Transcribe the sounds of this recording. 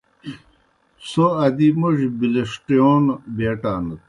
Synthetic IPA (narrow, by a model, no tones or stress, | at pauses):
soɐd̪imuʑbileʂʈijoːnbeːʈaːnət̪̚